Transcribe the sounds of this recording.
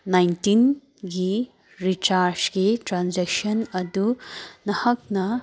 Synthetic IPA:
najntin | ɡi | ɾit͡ʃaɾd͡ʒɡitɾand͡ʒeksɐnɐdunɐhɐk̚nɐ

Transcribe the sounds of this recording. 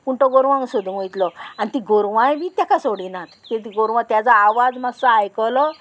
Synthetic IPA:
kuɳʈɔɡoɾʋãŋɡsod̪uʋojt̪lɔanit̪iɡoɾʋãjbiːt̪jakasoɽinat̪ket̪iɡoɾʋãt̪jat͡saːʋad͡zmaɡsaajkɔlɔ

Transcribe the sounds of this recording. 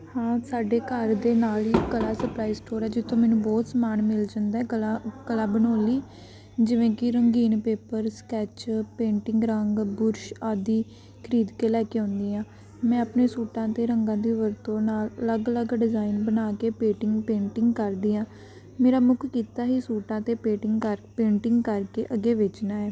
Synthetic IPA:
hãːsaːɖeːkəɾd̪eːnaːliɪːkəlaːsəplaːiːsʈoːɾɛːd͡ʒɪt̪ʰːõːmɛːnũːbɔːt̪smaːnmɪld͡ʒãːnd̪aɛːkəlaːbənoːliː | d͡ʒɪʋẽːkɪɾəŋɡiːnpeːpəɾskɛːt͡ʃpẽːɳʈɪ̃ŋɡɾəŋɡbʊɾʃaːd̪iː | kʰəɾiːd̪keːlɛːkeːõːnd̪iːãː | mɛ̃ːəpneːsuːʈãːt̪eːɾəŋɡãːd̪iːʋəɾt̪õːnaːlələɡələɡɖɪzaːinbənaːkeːpeːʈɪŋɡpẽːɳʈɪŋɡkəɾd̪iːãː | meːɾaːmʊkʰkiːt̪aːɦiːsuːʈãːt̪eːpeːʈɪŋɡkəɾpẽːɳʈɪŋɡkəɾkeːʔəɡeːʋɪt͡ʃnaːɛː

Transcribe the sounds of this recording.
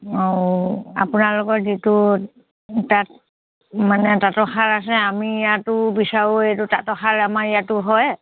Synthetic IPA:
owa̰pʊnaɹlɔkɔtzitʊ | tat̚ | manɛtatɔxʰaɹas̬ɛamiːjatʊbisaɹoetutatɔxʰaɹamaijatʊɦɔj

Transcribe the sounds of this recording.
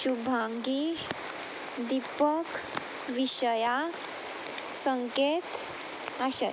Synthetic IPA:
ɕubʱaŋɡi | d̪ipək | ʋiɕəja | səŋket̪ | aɕə̰

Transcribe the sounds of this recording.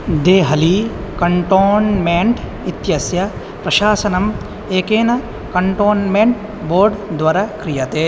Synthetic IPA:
d̪eːɦɐlikɐɳʈoːnmeɳʈ | it̪jɐsjɐ | pɾɐʃaːsɐnɐm | eːkeːnɐ | kɐɳʈoːnmeɳʈ̚ | boːɾɖd̪ʋaːɾakɾijɐt̪eː

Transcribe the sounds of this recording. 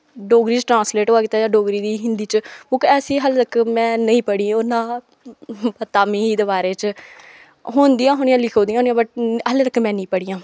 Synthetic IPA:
ɖoːɡɾiːt͡ʃʈɾãːnsleːʈɦoːaːkɪt̪ːaːd͡ʒãːɖoːɡɾiːd̪iːɦɪnd̪iːt͡ʃõːkɛːsiːɦəlt̪əkːmɛ̃ːnəĩːpəɽiːonãː | pət̪ːaːmĩːɦiːd̪ebaːɾeːt͡ʃ | ɦoːnd̪ijãːɦoːnɪjãːlɪkʰoːd̪ijãɦoːnijãːbəʈɦəlt̪əkːmɛ̃ːnĩːpəɽiːãː

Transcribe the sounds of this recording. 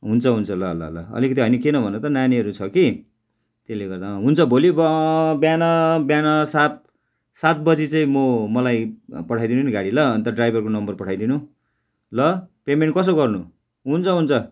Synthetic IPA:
ɦunt͡sʰʌɦunt͡sʰʌlʌɦʌlʌ̰ɦʌlʌ̰ʌ̰likʌt̪iɦʌjnʌkenʌbʱʌnʌt̪ʌnaniʌɾut͡sʰʌki | t̪eleɡʌrd̪aɦunt͡sʰʌbʱolibbjanʌbjanʌsat̪̚ | sat̪̚bʌd͡zit͡saĩmomʌlajpʌʈʰajd̪inunɡaɽilʌːnt̪ʌɖrajbʱʌrkonʌmbʌrpʌʈʰajd̪inu | lʌpemeɳʈ̚kʌs̬oɡʌrnu | ɦunt͡sʰʌɦunt͡sʰʌ

